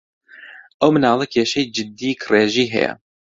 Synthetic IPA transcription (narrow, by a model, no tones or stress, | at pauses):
ʔɐwmɨnaːlˠikʰeːʃɛjd͡ʒɪd̪ːikʰreːʒiːɦɛ̰jɛ̰